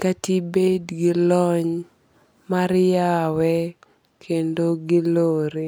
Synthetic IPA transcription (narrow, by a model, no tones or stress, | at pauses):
katibedɡɪlɔɲ | maɾjawɛ | kʰendoɡɪloɾe